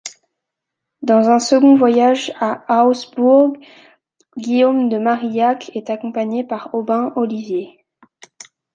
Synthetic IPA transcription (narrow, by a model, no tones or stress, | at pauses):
d̪ɑ̃zɛ̃səɡɔ̃vwajaʒaawsbuʁɡ | ɡʲijomd̪əmaʁijakʰɛt̪akɔ̃paɲepaʁɔbɛ̃ʔɔlivje